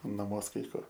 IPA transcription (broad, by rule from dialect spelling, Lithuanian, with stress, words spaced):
nɐˈmuɔs kɐɪ ˈkʊr